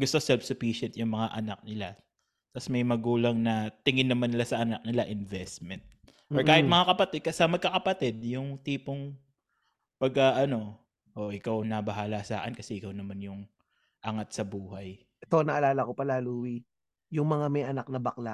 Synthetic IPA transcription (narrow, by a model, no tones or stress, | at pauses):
ɡʊst̪o̞sɛlfsʊfiʃɛnt̪̚jʊŋmɐŋaʔɐnak̚nɪla | t̪asmɐjmɐɡuːlɐŋnɐt̪ɪŋɪnːɐmanɪlasɐʔɐnak̚nɪlaʔɪnvɛst̪mɛnt̪̚ | ʔoɹkaːhɪmɐŋakɐpɐt̪ɛd̪̚kɐsɐmɐɡ̚kɐkɐpɐt̪ɛd̪̚jʊŋt̪iːpoŋ | pɐɡ̚kaʔɐno̞ | ʔoʔɪkawnɐbɐɦaːlasa̰ːkɛnkɐsɛʔɪkawnɐmanjʊŋ | ʔɐŋat̪̚sɐbuːhɐj | ɛt̪onɐʔɐlaːlɐkopɐlaːluːwi | jʊŋmɐŋamɛjʔɐnak̚nɐbɐkla